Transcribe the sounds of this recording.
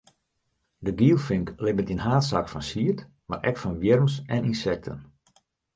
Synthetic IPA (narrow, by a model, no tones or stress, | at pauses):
dəɡiːlˠfɪŋklɪbəntinɦaːtsakfɔnsiət | ma̰rʔɛ̰kfɔnʋjɪrmsɛninsɛk̚tʰə̰n